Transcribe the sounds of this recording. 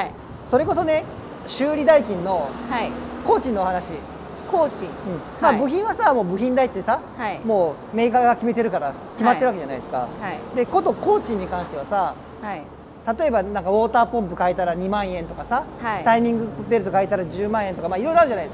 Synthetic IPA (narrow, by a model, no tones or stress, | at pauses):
so̞ɾe̞ko̞so̞ne̞ | ɕɨːɾʲid̪aikʲĩnːo̞ | ko̞ːt͡ɕĩnːo̞oɦanaɕi | kot͡ɕĩɯ̟̃ɴ | maːbɯ̟çĩɰ̃βasamo̞ːbɯ̟çĩnd̪ait̪ːe̞sa | mo̞ː | me̞ːkaɡakʲime̞t̪e̞ɾɯ̟kaɾaskʲimat̪ːeɾɯβakeanaid̪esɨ̥ka̰d̪e̞ko̞t̪o̞ko̞ːt͡ɕĩɲ̟ːikãɰ̃ɕt̪e̞βasa | t̪at̪o̞e̞banãŋkao̞ːt̪aːpõ̞mp̬ɯ̟kait̪aɾaɲ̟imãɰ̃ẽ̞nt̪o̞kasat̪aimʲĩŋɡɯ̟be̞ɾɯ̟t̪o̞kait̪aɾad͡ʑɨːmãɰ̃ent̪o̞kamaːiɾo̞jɾoaɾɯ̟ʑanaid̪esa